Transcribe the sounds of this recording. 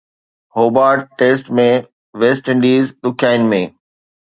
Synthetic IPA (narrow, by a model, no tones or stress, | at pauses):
hoːbaːɾʈ̚ːeːsʈmẽ | ʋeːsʈɪ̃ɳɖiːzɗ̪ʊkʰjãːɪnmẽː